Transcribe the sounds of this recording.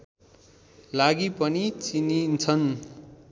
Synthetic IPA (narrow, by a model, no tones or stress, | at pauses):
laɡipʌnit͡sinint͡sʰʌn